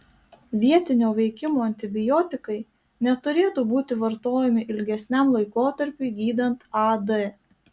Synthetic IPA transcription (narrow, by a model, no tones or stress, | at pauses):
ʋʲiɛt̪ʲɪnʲoːʋʲɛɪkʲɪmoːɐnʲt̪ʲɪbʲɪjɔːt̪ʲɪkɐɪ | nʲɛt̪ʊɾʲeːt̪uːbuːt̪ʲɪʋɐɾt̪oːjɛmʲɪʔɪlʲɡʲɛsʲnʲæmlˠɐɪkoːt̪ɐɾʲpʲuɪɡʲiːd̪ɐnt̪ɐd̪ɛ